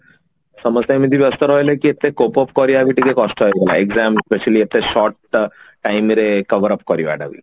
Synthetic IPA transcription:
səməst̪ajmid̪ʱibiəst̪əɾɔɦjlekiet̪ːekopɔpkɔɾiaʋiʈikekɔsʈɦɔeɡala̰eɡzamespeʃəliet̪ːeʃɔɾʈː | ajmɾekɐʋəɾəp̚kɔɾiʋa̰ɖa̰ʋḭ

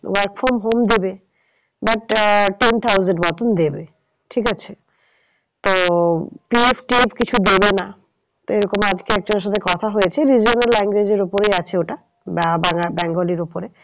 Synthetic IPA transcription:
waɾkfoɾmɦomd̪ebe | baʈʈent̪ʰawzeɳʈbɔt̪ond̪ebe | ʈʰikat͡ɕʰe | t̪opiefʰʈiepkit͡ɕʰud̪ebena | t̪oeɾɔkomad͡ʑkeɛk̚d͡ʑoneʃ̬at̪ʰekɔt̪ʰaɦojet͡ɕʰeɾid͡ʑonallɛŋɡwed͡ʑeɾupoɾejat͡ɕʰeoʈa | bbabɛŋɡoliɾupoɾe

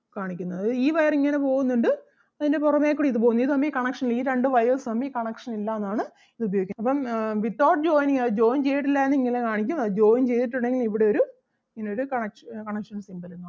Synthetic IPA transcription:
kaːɳikʲːunːɐðɨiːʋɐjɐriŋːɐne̞po̞ːɣunːuɳɖɨ | ɐðinde̞purɐmeːkːuːɽiðɨpoːɣunːɐiðɨɐmːbiːkɐɳɐkʂɐnliːɾe̞ɳɖɨʋɐjɐsɐmiːkɐɳɐkʂɐnilːaenːaːɳɨ | iðubɐjo̞ːɡikʲːɐpːɐmʋitːoːrɖd͡ʑoːjniŋɐðd͡ʑo̞ːjnt͡ɕe̞jːiʈ̬ːilːaːenːiŋːɐilekaːɳik̬ʲːumɐðd͡ʑo̞ːjnt͡ɕejt̪iʈːuɳɖe̞ŋɡilmiʋiɽe̞o̞ɾu | iŋːɐneoɾukɐɳɐkʂkɐɳɐkʂɐnsimbɐlenːu

